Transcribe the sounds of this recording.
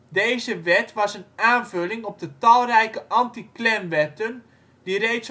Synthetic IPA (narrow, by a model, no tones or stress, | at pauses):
dejzəʋɛtʋɑsənaːnvɵlɪŋɔb̚dətɑlˠrɛjkəʔɑntiklɛmʋɛtən | direjts